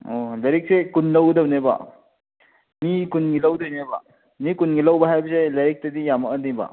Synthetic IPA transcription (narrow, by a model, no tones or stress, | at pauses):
olɐɾek̚sekunlɐwdowneba̰ | mikunɡilɐwdownebɐ | mikunɡilɐwbɐɦajbɐselɐɾek̚tɐdijamɐːnibɐ̰